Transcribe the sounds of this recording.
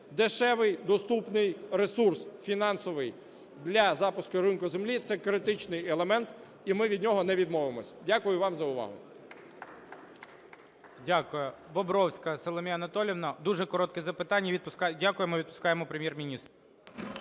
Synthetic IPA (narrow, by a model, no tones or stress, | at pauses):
d̪ɪʃɛʋɪjd̪ɔst̪upnɪjɾesursfʲinɑnsɔʋɪj | d̪lʲɐzɑpʊskʊɾɪnkʊzemlʲit̪sɛkɾɪt̪ɪt͡ʃnɪjɛlˠemɛnt̪ | imɪʋʲid̪ʲnʲɔɦɔnɛʋʲid̪mɔʋemɔsʲɐ̥dʲakʊjʊʋɑmzɐʊʋɑ̰ɦʊ̰ | dʲakʊjɛbɔbɾɔwsʲkɐsɔlˠɔmʲiɐnɐt̪ɔlʲiʋnɐd̪uʒɛkɔɾɔt̪̚kɛzɐpɪt̪ɑnʲːɐid̪̚pʊskadʲakʊjemɪʋʲid̪̚pʊ̥skɑjemɔpɾemʲjɛrmʲinʲist̪ɾʊ